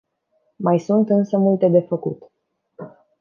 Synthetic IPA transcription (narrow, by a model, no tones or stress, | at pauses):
majsunt̪ɨnsəmult̪e̞d̪e̞fəkṵt̪